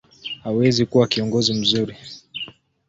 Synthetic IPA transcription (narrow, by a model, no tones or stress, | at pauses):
hawɛzikuwakiɔŋɡɔzim̩zuɾi